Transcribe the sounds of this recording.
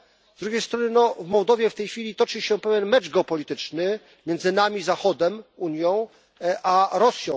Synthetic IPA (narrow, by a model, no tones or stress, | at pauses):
zd̪ɾuɡʲejst̪ɾɔnɘnɔvmɔwd̪ɔvʲjɛft̪ɛjxfʲilʲit̪ɔt͡ʂɘɕɛpɛvʲjɛnmɛt͡ʂɡɛɔpɔlʲit̪ɘt͡ʂnɘ | mʲjɛnd̪zɘnamʲizaxɔd̪ɛmuɲjɔ̃w̃ | ʔaɾɔsʲjɔ̃w̃